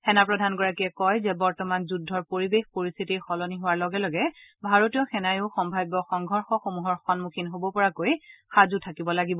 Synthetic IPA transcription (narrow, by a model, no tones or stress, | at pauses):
xɛnapɹɔdʱanɡɔɹakiɛkɔjzɛbɔɹtɔmanzudʱːɔɹpoɹibexpoɹist̪ʰitixɔlɔniɦʊwaɹlɔɡɛlɔɡɛbʱaɹotijɔxɛnajʊxɔmbʱajbɔxɔŋɡʱɔɹxɔxomuɦɔɹxɔnmukʰinɦobɔpɔɹakojxazutʰakibɔlaɡibɔ